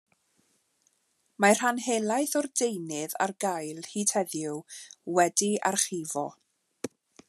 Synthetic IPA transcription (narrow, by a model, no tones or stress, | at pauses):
mar̥hanɦelˠajθɔrdejnɪða̰rɡajlˠhiːtʰɛðjʊwwɛdia̰rχivɔ